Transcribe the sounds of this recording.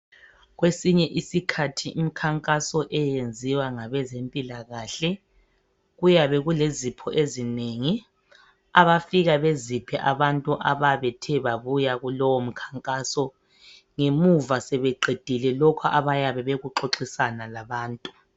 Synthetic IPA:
ɣwesiɲɛʔisikʰatʰiʔimikʰaŋkʼasɔʔɛjend͡zʱiwaŋaβɛzempʼilaɣaːɬɛ | ɣujaβɛɣulezipʰɔʔezineŋi | aβafiɣaβezipʰɛʔaβantʼuʔaβaβɛtʰɛβaβujaɣulɔwom̩kʰḁŋkʼaːsɔ | ŋemuvasɛβɛǃʱed̥ʱilɛlɔkʰaʔaβajaβɛβeɣuǁoǁisanalaβaːntʼu

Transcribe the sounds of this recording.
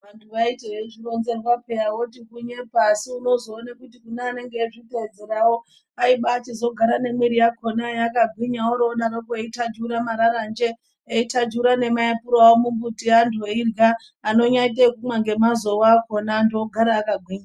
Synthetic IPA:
ʋantʰuʋaiteeʐiro̞nzerwapejawotikuɲepasiuno̞zoːnakutikunaːne̞ŋɡeʐited͡zeɾawo | aiɓaːt͡ʃizo̞ɡʱaɾane̞miɾijako̞najakaɡʱwiɲaoɾoɗaɾokoeitad͡ʒuɾamaɾaɾand͡ʒe | eitad͡ʒuɾane̞maepuɾawomumbutiandʰoirɡaː | no̞ɲait̬ekumwaŋɡe̞mazo̞waːko̞nandioɡʱaɾaːkaɡʱwiɲa

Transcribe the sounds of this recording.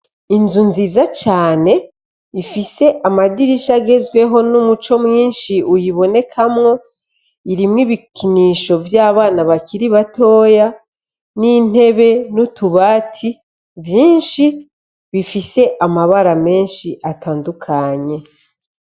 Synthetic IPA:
inzunzizat͡ʃaːne̞ | ifise̞ʔamadiɾiʃaɡe̞zɡwe̞ɦo̞numut͡ʃo̞mŋiːnʃiujiβo̞ne̞kʰamŋo̞ | iɾimŋiβikʰiniːʃo̞vjaːβaːnaβakiɾiβato̞ːja | nin̥e̞βe̞nutuβaːtʰi | vjiːnʃi | βifise̞ʔamaβaɾame̞ːnʃiʔatʰaːndukʰaɲe̞

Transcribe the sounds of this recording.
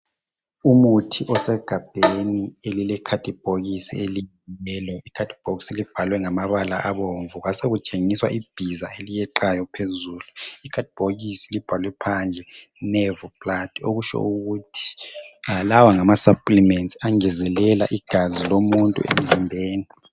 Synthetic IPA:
umutʰiʔɔsɛɡ̥ʱab̥ʱenielilɛkʰad̥ʱʼib̥ʱoɣisielijɛlɛːlɔikʰatʼb̥ʱoksilib̥ʱalwɛŋamaβala̰ʔaβoɱvuɣaseɣut͡ʃʼeŋiswa̰ʔib̥ʱizaelijɛǃajɔpʰezuːluikʰad̚b̥ʱoɣisilib̥ʱalwɛpʰand͡ɮʱɛ | nɛvupʼlatʰioɣuʃɔ̰uɣutʰi̥alawaŋamasapʼlimɛntʼaŋɛzɛlɛlaʔiɡ̥ʱazilomuntʼṵḛm̩zimbʱeːni

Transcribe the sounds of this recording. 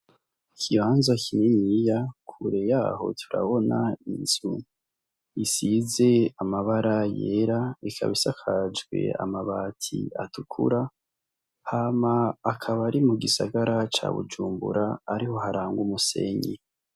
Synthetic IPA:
kʰiβaːnzakʰininijakʰuɾe̞jaːho̞̰tʰu̥ɾa̰βo̞nainz̥u | isize̞amaβaɾajḛɾaekʰa̰βisakʰad͡ʒɡwe̞̰a̰maβaːtʰḭatukʰṵɾa | haːmaːkʰaβaɾimuɡisaɡaɾat͡ʃa̰βṵd͡ʒuːmbṵɾaːɾiho̞haɾaːŋɡumuse̞̰ɲe

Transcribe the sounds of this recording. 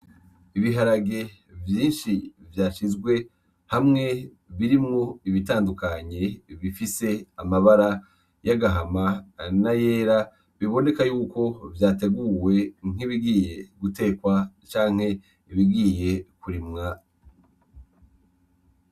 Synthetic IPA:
iβiɦaɾaɡe̞ | vjiːnʃivjaːʃizɡwe̞ | hamŋe̞ | βiɾimŋo̞iβitaːndukaɲe̞βifise̞amaβaɾa | jaɡaɦamanaje̞ːɾa | βiβo̞ne̞kajuːkʰo̞vjaːte̞ɡuːwe̞ŋ̥iβiɡiːje̞ɡute̞ːkwat͡ʃaːŋ̥he̞ | iβiɡiːje̞kuɾimŋa

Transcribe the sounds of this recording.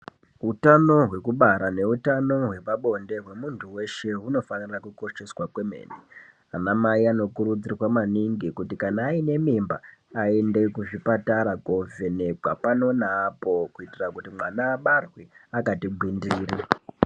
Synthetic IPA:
ɦutano̞ɦwe̞kuɓaɾane̞utano̞ɦwe̞ʋaɓo̞nde̞ɦwe̞muntʰuwe̞ʃe̞ɦuno̞fanirakuko̞ʃe̞swakwe̞me̞̰ːni | anamaiano̞kuɾud͡zirwamaniŋɡikutikanaːine̞mimba̰ae̞ndekuʐipataɾaɡovenekwapano̞naːpo̞kuitirakutimwanaːɓarweakatiɡʱwindiːri

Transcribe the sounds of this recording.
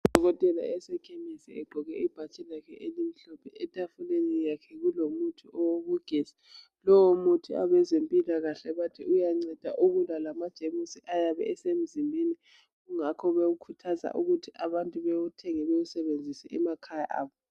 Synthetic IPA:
d̥ʱɔɣɔtʼɛla̰ɛsɛkʰemisɛ̰ɛɡ͡ǃʱɔɣɛib̥ʱat͡ʃʼilakʰɛ̰ʔelim̩ɬɔpʰɛɛtʼafulenijakʰɛɣulomutʰiɔwoβuɡ̥ʱez̥i | lɔwomutʰia̰βɛzempʼilaɣaɬɛβatʰiujaŋ͡ǀɛd̥ʱa̰ʔuɣulalamad̥ʒ̥ʱemusiʔajaβɛ̰ɛsem̩zimbʱini | ɣuŋakʰɔβeɣukʰutʰaza̰ʔuɣutʰiʔaβantʼuβewutʰɛŋɛβewusɛβend͡zʱisɛʔɛmakʰaja̰ʔaːβɔ

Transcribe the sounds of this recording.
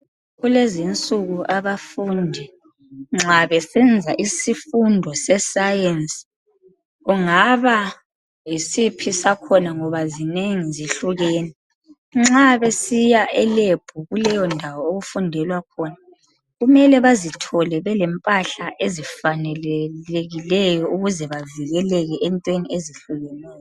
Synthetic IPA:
ɣulezint͡sʼuɣuʔaβafuːndʱɛ | ŋ͡ǁaβɛsɛnd͡zʱaʔisifundʱɔsɛsajent͡sʼi̥ | uŋaβa | isipʰisakʰɔnaŋɔβazineŋiziɬuɣɛːnɛ | ŋ͡ǁaβesijaʔɛleb̥ʱuɣulɛjɔndʱawɔoɣufundʱɛlwakʰɔna | ɣumɛlɛβazitʰɔlɛβɛlɛmpʼaɬaʔezifanɛlɛeɣilɛjɔuɣuzɛβaviɣɛlɛɣɛʔɛntʼwenieziɬuɣɛnɛːjɔ

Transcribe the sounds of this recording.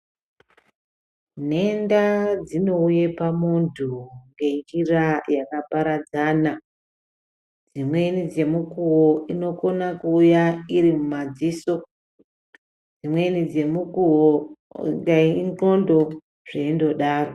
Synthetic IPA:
n̤e̞ndad͡zino̞uje̞pamuntʰuŋɡeiɲd͡ʒirajakapaɾad͡zana | d͡zimwe̞nid͡ze̞mukuwoino̞ko̞nakuːjaiɾimumad͡ziːso̞ | d͡zimwe̞nid͡ze̞mukuo | ŋɡeinko̞ndo̞ | ʐ̥eindo̞ɗaːro̞

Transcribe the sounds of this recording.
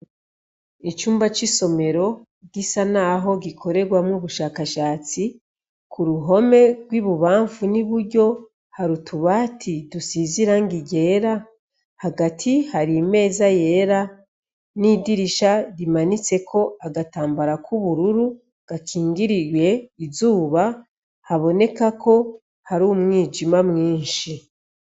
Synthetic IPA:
it͡ʃuːmbat͡ʃiso̞me̞ɾo̞ | ɡ̥isanaɦo̞ɡikʰo̞ɾe̞ɡwamŋuβuʃaːkaʃaːt͡si | kʰuɾuɦo̞me̞ɡwiβuβaːɱvuniβuɾɟo̞ | haɾutʰuβaːtʰidusiziɾaŋɡiɟe̞ːɾa | haɡatʰihaɾime̞ːzaje̞ːɾa | niːdiɾiʃaɾimanit͡se̞kʰo̞aɡataːmbaɾakʰuβuɾuɾu | ɡ̥akʰiːŋɡiɾiɾwe̞izuːβa | haβo̞ne̞kakʰo̞ | haɾumŋiːd͡ʒimamŋiːnʃi

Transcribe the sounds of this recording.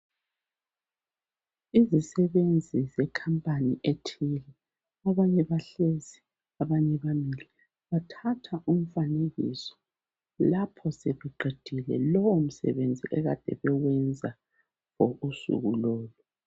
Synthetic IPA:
izisɛβend͡zʱizɛkʰampʼaniʔetʰilɛ | ɔβaɲɛβaɬezi | aβaɲɛβamili | βatʰatʰaʔum̩faneɣḭsɔ̥ | lapʰɔseβuɡ͡ǃʱed̥ʱilɛlɔwɔm̩sɛ̰βend͡zʱiʔɛɣad̥ʱɛ̰βɛɣwɛnd͡zʱa | ɣɔʔusṵɣuloːlu

